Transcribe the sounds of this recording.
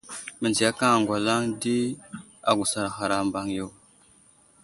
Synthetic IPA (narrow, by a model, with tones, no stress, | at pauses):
mə˨nd͡ʒi˨ja˦ka˦ŋa˨ŋɡwa˨la˦ŋdi˦ | a˨ɡu˨sa˨ɾxa˨ɾa˨mba˦ŋjo˦˨w